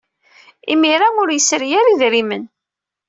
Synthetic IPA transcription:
ḭmiɾaʊɾjəsɾjæɾiðɾimən

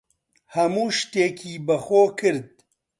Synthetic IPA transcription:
hɐmuːʃt̪eːkʰiːbɐxoːkʰɨɾd̪̚

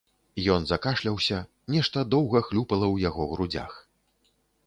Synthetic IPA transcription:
jɔnzakaʂlʲɐwsʲɐ | nʲɛʂt̪ɐd̪ɔwɣɐxlʲupɐlˠɐwjaɣɔɣɾud͡zʲa̰x

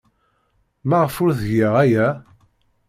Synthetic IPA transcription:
mæʁəfʊɾðəʝaʁæjæ

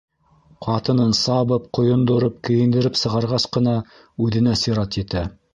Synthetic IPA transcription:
qʰɑt̪ɤ̆nɤnsɑβɤp̚qŏjŏnd̪ŏɾɤp̚kɘ̆jɘ̆nd̪ɘ̆ɾɘpsɤ̆ʁɑɾʁɑsqɤ̆nɑ | ʉðɘ̆næsiɾɑt̪jɘ̆t̪æ

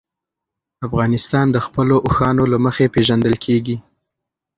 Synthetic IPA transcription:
afɣɑnɪst̪ɑnd̪əxpəloʔʊxɑnolaməxepeʒand̪əlkʰeɡi

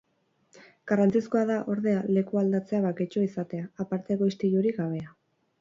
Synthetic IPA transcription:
ɡ̥arant͡sisko̞aðaʔo̞ɾðe̞ale̞kuald̪at͡se̞aβaket͡ʃoisat̪e̞aːpaɾt̪e̞ɣoist̪iɾjuɾiɡaβ̞e̞a

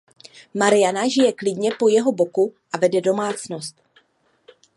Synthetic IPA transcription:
maɾɪjanaʒɪjɛklɪdɲɛpo̞jɛɦo̞bo̞kuʔavɛdɛdo̞maːt͡sno̞st̪

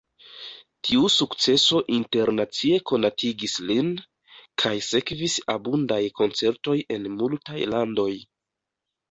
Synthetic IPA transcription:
tʰiusukt͡se̞so̞ʔinte̞ɾnat͡sie̞ko̞natʰiɡislin | kʰajse̞kvisabundajko̞nt͡se̞ɾto̞je̞nmultajlando̞j

